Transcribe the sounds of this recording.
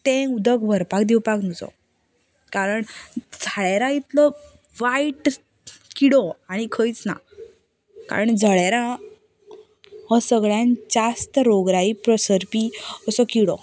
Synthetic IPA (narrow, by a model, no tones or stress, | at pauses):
t̪ẽud̪ək̚bʱəɾpakd̪iwpaknud͡zɔ̰ | kaɾəɳd͡zʱaɭeɾait̪lɔ | ʋaiʈ | kiɽɔaɽ̃ikʰəjt͡sna̰ | ka̰ɾəɳd͡zʱəɭaɾã | hɔsəɡɭjãnd͡ʑast̪ɾoɡɾaipɾɔsəɾpiəsɔkiɽɔ̰